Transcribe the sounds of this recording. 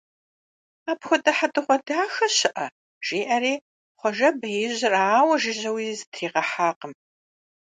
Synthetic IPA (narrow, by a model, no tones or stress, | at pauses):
aːpxʷɔdɐħatʼɨχʷɔdaːxɐɕɪʔɐ | ʒ̥iːʔɐriː | χʷɔʒɐbɐjɪʑɪraːwɐʒɪʑɐwiːzɨtʰriːqɐħaːqəm